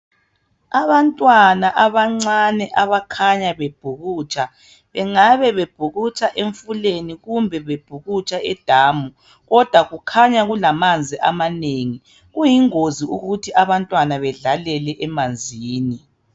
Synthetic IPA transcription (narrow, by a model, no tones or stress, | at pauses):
aβantʼwanaʔaβaŋ͡ǀanɛʔaβakʰaɲaβeb̥ʱuɣuːt͡ʃʼa | βɛŋaβɛβeb̥ʱuɣut͡ʃʼaʔeɱfuleniɣumbʱɛβeb̥ʱuɣut͡ʃʼaɛd̥ʱaːmu | ɣɔd̥ʱwaɣukʰaɲaɣulamand͡zʱiʔamaneŋi | ɣujiŋoziuɣutʰiaβantʼwanaβɛɮalɛlɛʔɛmand͡zʱiːni